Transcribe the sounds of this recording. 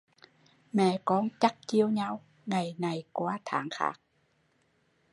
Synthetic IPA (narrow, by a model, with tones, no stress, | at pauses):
mɛ̰˧˨kɔ˨˧˦nt͡ɕa˦˥k̚t͡ɕi˧əwɲa˧w | ŋa˨˩jna˨˩jkwaː˨˦t̪ʰa̰ː˧˩˦ŋxa̰ː˦˥k̚